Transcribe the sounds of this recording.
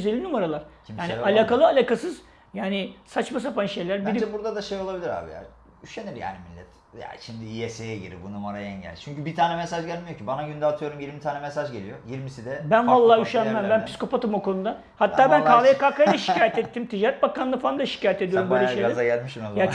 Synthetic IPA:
zeːinumaɾalˠaɾ̥ | imaːnialʲaːkalˠɯalʲaːkasɯz̥ | jaːnɪsat͡ʃmas̬apanʃe̞jlʲæɾbiɾibuɾd̪ad̪aʃejo̞lˠabilʲiɾa̰ːbḭja̰ | yʃeniɾja̰ːnimilʲːɛt̪ | ja̰ʃimd̪iiɛsejɛɟḭɾḭbunumaɾajɛ̰ɲɟɛ̰lʲt͡ʃʰyɲcybit̪ʰaːnɛmesaʒɟælʲmijo̞cibanaɟynd̪ɛaːt̪ʰɯjo̞ɾumjiɾmit̪ʰaːnɛmesaʒɟelʲijo̞jiɾmisid̪ɛbænvalˠːaːyʃænmæmbænpʰi̥sko̞pat̪ɯmokʰo̞nud̪a | hat̪ːaːbænkʰaːlˠajakaːkajlʲaʃicaːjɛt̪ɛt̪ːimt̪ʰid͡ʒaːɾɛt̪̚bakanˠɯfaand̪aʃi̥caːjɛt̪ed̪ijo̞ɾumbølʲeʃejlɡaæzaɟælʲmiʃimojat͡ʃ

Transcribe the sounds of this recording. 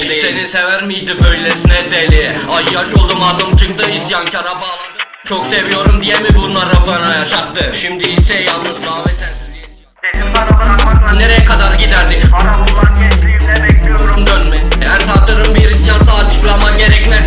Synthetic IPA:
seninsevæɾmijd̪ibøjlʲesinɛd̪elʲɛajjaʃolˠd̪umad̪ɯmt͡ʃʰɯkt̪ɯisjancʰaɾabaːlˠad̪ɯ | t͡ʃʰo̞kse̞vijo̞ɾumd̪ijemibunlˠaɾabanajaʃat̪ːɯʃimd̪iisɛjalˠnɯzd̪aːvɛsænsiiɛ | enimaɾabamakˠaneɾejɛkʰad̪aɾɟid̪æɾd̪iaɛiimɛbɛkijɾnd̪ønmɪænsat̪ːɯɾɯmbiɾisjansaːt͡ʃʰɯklˠamaɟeɾɛcmɛ

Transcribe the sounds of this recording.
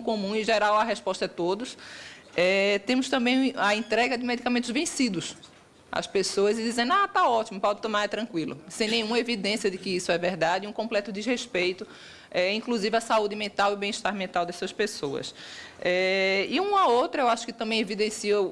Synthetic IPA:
kõmũɪʒeɾawɐɦɛʃpɔʃt̪ɐɛt̪od̪ʊs | ɛt̪ẽmʊst̪ɐ̃mbẽj̃ɐẽt̪ɾɛɡɐd̪ɪmed̪ikamẽnt̪ʊzvẽsid̪ʊs | ɐ̰spesoɐzɪd̪izẽnd̪ʊat̪aɔt̪imʊpɔd̪ɪt̪õmaɾɛt̪ɾɐ̃kwilʊ̰sẽj̃nẽj̃ũmɐevid̪ẽsiɐd̪ɪkɪisʊɛvɛɾd̪ad̪ɪũkõplɛt̪ʊd̪ɪzhespejt̪ʊ | ɛĩŋkluzivɪasaud̪ɪmẽnt̪awɪbẽj̃iʃt̪aɾmẽnt̪awd̪ɛsɐspesoɐ̰sɛɪũmɐowt̪ɾɐewaʃʊ̥kɪt̪ɐ̃bẽj̃evid̪ẽsiɐ

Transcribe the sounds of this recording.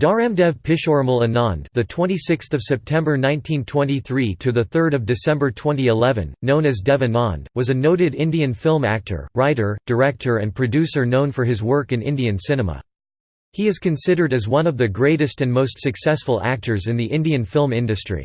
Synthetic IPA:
d̥ɑɹɛ̃mdɛv̥pʰɪʃɔɹml̩ˠənɑ̃nðɨtʰw̥ɛ̃ñisɪksθʌv̥sɛp̚tʰɛ̃mbə˞nãɪ̃ntʰĩntʰw̥ɛ̃ntiθɹiɾʰɨðɨθɜ˞ɾʌvdɨsɛ̃mbə˞tʰw̥ɛ̃niɨlɛvɨ̰̃nːõʊ̃nɨzdɛvɨ̃nɑ̰̃ndwʌzɨnoʊɾɨɾɪ̃ndiɨ̃nfɪlˠmæ̰k̚tʰə̰˞ɹaɪɾə˞d̥ə˞ɛk̚tʰə˞ɨ̃npʰɹ̥ɨdʉsə˞nõʊ̃nfə˞ɨzwɜ˞kɨ̃nɪ̰̃ndiɨ̃nsɪ̃nəmə̰ | hiɨz̥kʰɨ̃nsɪɾə˞ɾɨzwʌ̃nʌvðɨɡɹeɪɾɨstɨ̃nmoʊstsɨksɛsfəl̩ˠæ̰k̚tʰə˞zɨ̃nðiʔɪ̃ndiɨ̃nfɪlˠmɪ̃ndɨstɹ̥ḭ

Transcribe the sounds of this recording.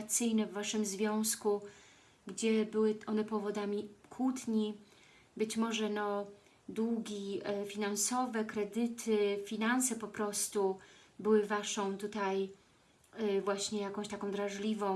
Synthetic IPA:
t̪sɘjnɛvːaʂɘmzvʲjɔ̃w̃sku | ɡd͡ʑɛbɘwɘʔɔnɛpɔvɔd̪amʲikʰwut̪ɲi | bɘt͡ɕmɔʐɛnɔ | d̪wuɡʲifʲinansɔvɛkɾɛd̪ɘt̪ʰɘfʲinansɛpɔpɾɔst̪ubɘwɘvaʂɔ̃w̃t̪ut̪aj | vwaɕɲɛjakɔ̃w̃ɕt̪akɔ̃w̃d̪ɾaʐlʲivɔ̃w̃

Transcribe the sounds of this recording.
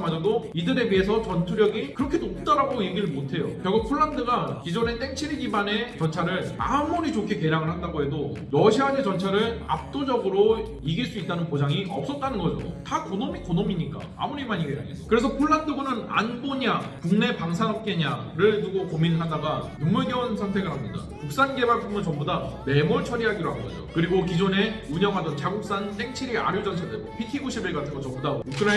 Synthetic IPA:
mad͡ʑʌdoidɯɾe̞biɦe̞sʰʌt͡ɕʌntʰuɾjʌɡikɯɾʌkʰe̞dop̚t͈aɾaɡoje̞ɡiɾɯɭmotʰe̞jo̰kjʌɡupʰoɭːandɯɡakid͡ʑʌne̞t͈ʰeŋt͡ɕʰiɾiɡibane̞t͡ɕʌnt͡ɕʰaɾɯɭa̰muɾit͡ɕokʰeke̞ɾjaŋɯɭhandaɡoɦe̞doɾʌɕʰianet͡ɕʌnt͡ɕʰaɾɯɭa̰p̚t͈od͡ʑʌɡɯɾo | iɡiɭs͈uit͈anɯnpod͡ʑaŋiʔʌp̚s͈ʌt̚t͈anɯnɡʌd͡ʑo̰takonomikonomiɲik͈a̰a̰muɾimaɲiɡea̰ɲeʌkɯɾe̞sʰʌpʰoɭːandoɡunɯna̰nboɲakuŋne̞paŋsʰanʌp̚k͈e̞ɲaɾɯɭnuɡokominɭɦadaɡanʌmmuɭɡennsʰaŋtʰe̞ɡɯɭɦamɲida̰kuk̚s͈anɡe̞baɭk͈ʰumɯnt͡ɕʌmbudane̞muɭt͡ɕʰʌɾiɦaɡiɾoɦannɡʌ̰d͡ʑo̰kɯɾiɡokid͡ʑone̞uɲʌŋɦadʌnt͡ɕaɡuk̚s͈ant͈e̞ŋt͡ɕʰiɾia̰ɾjod͡ʑʌnt͡ɕʰadɯɭbopʰikʰibuɕʰibiɭɡatʰɯnŋɡʌt͡ɕʌmbudaukʰɯɾa

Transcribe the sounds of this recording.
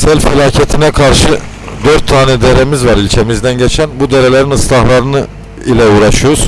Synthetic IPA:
sælʲffilʲˠaːcʰet̪ʰinɛkʰaɾʃɯ | d̪øɾt̪ʰːaːnɛd̪e̞ɾemizvaɾilʲt͡ʃʰe̞mizd̪ænɟet͡ʃʰænbud̪e̞ɾelʲe̞ɾinɯslˠahlˠaɾɯnɯ | ilʲɛuːɾaʃɯjouz̥

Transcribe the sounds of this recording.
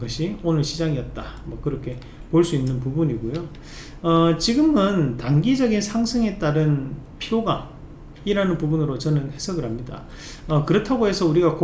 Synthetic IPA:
ɡʌɕʰionɯɭɕʰid͡ʑaŋiʌt̚t͈amwʌkɯɾʌkʰe̞ | poɭs͈uinːɯnpubuɲiɡojo | ʌt͡ɕiɡɯmɯntaŋɡid͡ʑʌɡinsʰaŋsʰɯŋe̞t͈aɾɯnpʰioɡa | iɾanɯnpubunɯɾot͡ɕʌnɯnhe̞sʰʌɡɯɭhamɲida̰ | ʌkɯɾʌtʰaɡoɦe̞sʰʌuɾiɡak

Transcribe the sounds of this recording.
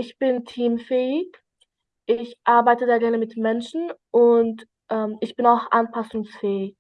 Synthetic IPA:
ʔɪçb̥ɪntʰiːmfɛːɪç | ʔɪçʔaɐbaɪtədaːɡɛɐnəmɪtmɛnʃn̩ʔʊnt | ʔɛːmɪçb̥ɪnaʊxʔanpʰasʊŋsfɛːɪç

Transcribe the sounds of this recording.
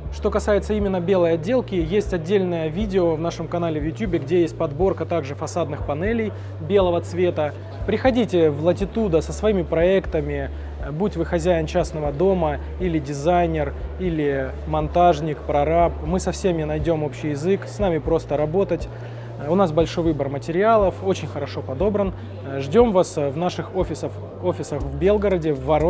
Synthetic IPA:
ʂt̪o̞kɐsajɪt̪səimʲɪnːəbʲe̞lˠəjɐdʲːe̞lˠkʲɪjesʲtʲɐdʲːelʲnəjəvʲidʲɪovnaʂɨmkɐnalʲɪvjʊtʲjubʲɪɡdʲejesʲt̚ʲpɐd̪bo̞rkət̪aɡʐɨfɐsad̪nɨxpɐnɛlʲɪj | bʲe̞lˠəvət̪svʲe̞t̪ə | pɾʲɪxɐdʲitʲɪvlˠətʲɪt̪ud̪əsəsvɐimʲɪpɾɐɛkt̪əmʲɪ | butʲvɨxɐzʲæjɪnt͡ɕasnəvəd̪o̞mə | ilʲɪdʲɪzajnʲɪrilʲɪ | mɐnt̪aʐnʲɪkpɾɐɾap̚mɨsɐfsʲemʲɪnɐjdʲo̞mo̞pɕːɪjɪzɨksnamʲɪpɾo̞st̪əɾɐbo̞t̪ətʲ | ʊnasbɐlʲʂojvɨbərmətʲɪɾʲɪalˠəfo̞t͡ɕɪnʲxəɾɐʂo̞pɐd̪o̞bɾən | ʐdʲo̞mvasvnaʂɨxofʲɪsəf | ofʲɪsəxvbʲe̞lˠɡəɾədʲɪvːɐɾo

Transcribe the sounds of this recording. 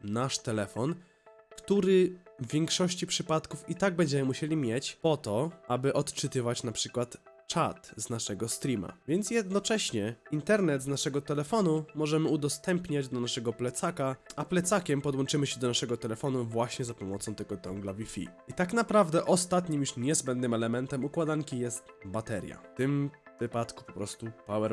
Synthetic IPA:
naʂt̪ɛlɛfɔn | kt̪uɾɘjɛŋkʂɔɕt͡ɕipʂɘpat̪kufit̪aɡ̚bɛɲd͡ʑɛmɘmuɕelʲimʲjet͡ɕpɔt̪ɔʔabɘʔɔt̪t͡ʂɘt̪ɘvat͡ɕnapʂɘkwat̪t͡ʂat̪znaʂɛɡɔst̪ɾʲima̰vʲjɛnt̪sjɛd̪̚nɔt͡ʂɛɕɲɛint̪ɛɾnɛd̪znaʂɛɡɔt̪ɛlɛfɔnumɔʐɛmɘud̪ɔst̪ɛmpɲad͡ʑd̪ɔnaʂɛɡɔplɛt̪sakaaplɛt̪sakʲɛmpɔd̪wɔnt͡ʂɘmɘɕɛd̪ɔnaʂɛɡɔt̪ɛlɛfɔnuvwaɕɲɛzapɔmɔt̪sɔ̃w̃t̪ɛɡɔt̪ɔŋɡlavʲifʲḭ | it̪aknapɾavd̪ɛʔɔst̪at̪ɲimjuʂɲɛzbɛnd̪nɘmɛlɛmɛnt̪ɛmukwad̪aŋkʲijɛst̪bat̪ɛɾʲja̰ft̪ɘmvɘpat̪kupɔpɾɔst̪upawɛɾ

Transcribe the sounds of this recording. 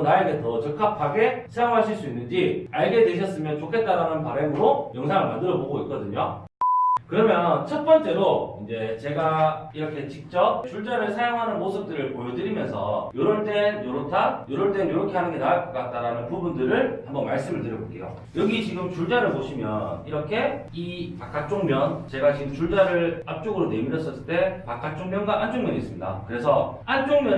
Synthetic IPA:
naeɡetʰʌt͡ɕʌkʰapʰaɡe̞sʰajaŋɦaɕʰiɭs͈uinːɯnd͡ʑiaɭɡe̞dweɕʰʌs͈ɯmjʌnt͡ɕokʰe̞t̚t͈aɾanɯnpaɾemɯɾojʌŋsʰaŋɯɭmandɯɾʌboɡoik̚k͈ʌdɯɲo | kɯɾʌmjʌnt͡ɕʰʌt̚p͈ʌnt͡ɕ͈e̞ɾoind͡ʑe̞t͡ɕe̞ɡaiɾʌkʰe̞t͡ɕik̚t͡ɕ͈ʌp̚t͡ɕuɭd͡ʑaɾɯɭsʰajaŋɦanɯnmosʰɯp̚t͈ɯɾɯɭpojʌdɯɾimjʌnsʰʌ̰joɾʌɭt͈e̞njoɾotʰajoɾʌɭt͈we̞njoɾʌkʰe̞ɦanɯnɡenakk͈at̚t͈aɾanɯnpubundɯɾɯɭhambʌnmaɭs͈ɯmɯɭtɯɾjʌɡok͈e̞̰jo̰ | jʌɡit͡ɕiɡɯmt͡ɕuɭd͡ʑaɾɯɭpoɕʰimjʌniɾʌkʰe̞ipak͈ak̚t͡ɕ͈oŋmjʌnt͡ɕe̞ɡat͡ɕiɡɯmt͡ɕuɭd͡ʑaɾɯɭap̚t͡ɕ͈oɡɯɾone̞miɾʌs͈ʌs͈ɯ̥t͈e̞pak͈ak̚t͡ɕ͈oŋmjʌnɡwaʔant͡ɕoŋmjʌɲis͈ɯmɲida̰kɯɾe̞sʰʌant͡ɕ͈oŋmjʌ

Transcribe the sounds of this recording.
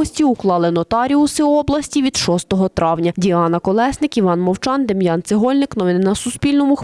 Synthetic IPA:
ɔsʲtʲiuklˠɑlˠɪnɔt̪ɑɾʲiʊsɪɔblˠɐsʲtʲiʋʲid̪̥ʃɔst̪ɔɦɔt̪ɾɑwnʲɐdʲiɑnɐkɔlˠɛsnɪkiʋɑnmɔwt͡ʃɑnd̪emjɑnt̪sɪɦɔlʲnɪknɔʋɪnɪnɐsʊspʲilʲnɔmʊ

